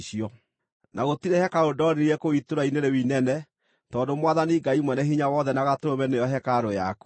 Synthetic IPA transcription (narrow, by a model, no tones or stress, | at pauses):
ʃiɔ | nʔaɣotiɾehɛkaodɔɾiɾɛkoitoɾaineɾewinɛnɛ | tɔːndomwaðaniɡaimwɛnɛɦiɲawɔðɛnaɣatɾomɛnejɔɦɛkaɾɔjaku̥